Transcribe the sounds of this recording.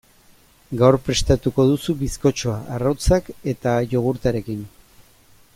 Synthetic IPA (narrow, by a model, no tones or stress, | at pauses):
ɡawɾpɾe̞st̪at̪uko̞ðusuβisko̞t͡ʃo̞aʔarawt͡sake̞t̪aʝo̞ɣ̞uɾt̪aɾe̞kin